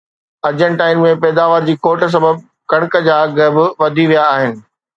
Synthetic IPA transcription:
ɐɾd͡ʑəɽ̃ʈaːɪnmẽpɛːd̪aːʋəːɾd͡ʑiːkoːʈəs̬ɐbəb̚ | kɐɽ̃kə̆d͡ʑaːɡɐbɪʋɐd̪ʱiʋijaːɦɪnɪ̆

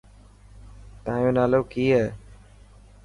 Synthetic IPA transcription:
t̪ãːjõːnaːloːkiːɛː

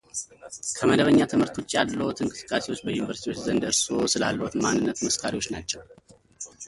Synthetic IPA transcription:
kʰəməd̪əβəɲːat̪ʰɨmhɨɾt̪ʰot͡ʃːalːəwt̪ʰɨŋkʼɨsɨ̥kʼːasewo̞t͡ʃːbəjunivəɾsit̪iwo̞t͡ʃːzənd̪ɨɾsosɨla̰lːəhut̪manːɨnːət̪məskʰaɾiwo̞t͡ʃːnat͡ʃːɛw

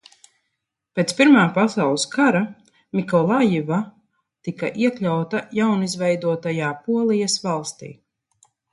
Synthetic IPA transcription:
peːt̪spiɾmaːpasawlˠiskaɾa | mikɔlˠajiva | t̪ika̰ʔiɛklʲawt̪ajawnizvɛjd̪uɔt̪ajaːpuɔlˠijɐsvalˠst̪ḭː

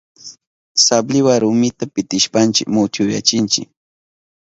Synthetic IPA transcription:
sablɪwaɾʊmɪt̪apɪt̪ɪʃpant͡ʃɪkmʊt͡ʃ̪jʊja̰t͡ʃɪnt͡ʃɪk

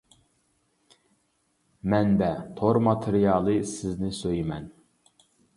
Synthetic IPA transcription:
mɛnb̪ɛt̪ʰoɾmɑt̪ʰeɾijɑːlˠɨsɪznɪsøjmɛn

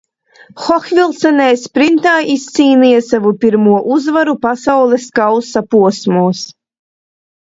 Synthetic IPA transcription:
xɔxvʲilˠt̪sɛnɛjspɾint̪aːʔist̪siːnijasavupiɾmuɔʔuzvaɾupasawlˠɛskawsapuɔsmuɔs

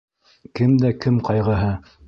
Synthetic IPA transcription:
kɘmd̪ækɘmqɑjʁɤ̆ɦɤ

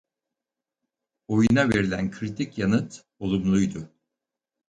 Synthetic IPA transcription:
o̞junave̞ɾilʲænkʰɾit̪ʰicjanɯt̪ | o̞lˠumlˠujd̪ʊ

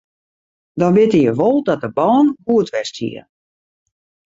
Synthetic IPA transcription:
dɔnbɪtəjəʋɔlˠdɔt̚dəbɔːnbuətʋɛstʰjḭə

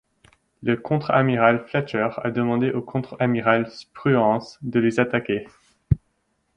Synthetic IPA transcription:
ləkʰɔ̃t̪χamiʁalflatœʁa̰d̪əmɑ̃d̪eʔokʰɔ̃t̪χamiʁalspχyɑ̃sd̪əlezat̪akʲe

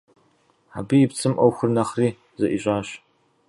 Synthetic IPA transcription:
a̰bijɪpt͡sʰɨmʔɐwxʷʊrnɐχriː | zɐʔiɕʼaːɕ

